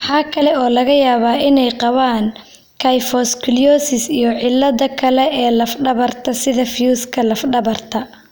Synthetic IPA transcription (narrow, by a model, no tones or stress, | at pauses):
ħaːkʰɐlɛɔːlɐɣɐjaːβaːʔɪnɛjqɑβaːŋ | kʰajfɔskʰɪljɔːsɪsijɔʕɪlːɐðɐkʰɐlɛɛːlɐfɖɐβɐrt̪ʰɐsɪðɐfjuːskʰɐlɐfɖɐβɐrt̪ʰɐ